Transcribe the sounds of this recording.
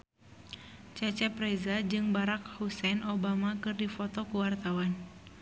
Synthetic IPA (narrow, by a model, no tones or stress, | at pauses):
t͡ʃɛt͡ʃɛpɾɛzad͡ʒɨŋbaɾakhusɛnobamakɨrdifɔt̪ɔkuwart̪awan